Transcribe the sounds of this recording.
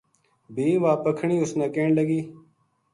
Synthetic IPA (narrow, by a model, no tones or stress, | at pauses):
bʱĩːʋaːpəkʰɳiːʊsnãːkeːɳləɡiː